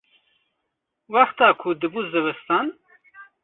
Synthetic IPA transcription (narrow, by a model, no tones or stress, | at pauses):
wɑxt̪ɑːkʰud̪ɨbuːzɨwɨst̪ɑn